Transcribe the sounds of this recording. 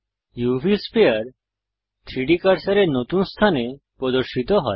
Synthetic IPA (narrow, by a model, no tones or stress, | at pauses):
juʋispeəɾ | t̪ʰiɽikəɾsəɾenot̪unst̪ʰane | pɔd̪ɔɾʃit̪ɔɦɔ̰